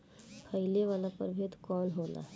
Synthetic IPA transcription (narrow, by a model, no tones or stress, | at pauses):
pʰəjleʋalapə̰ɾbʱet̪kɔnɦola̰